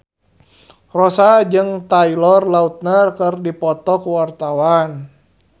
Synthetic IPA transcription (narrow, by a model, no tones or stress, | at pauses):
rɔsad͡ʒɨŋt̪ailɔrlaut̪̚narkɨrdipɔt̪ɔkuwart̪awan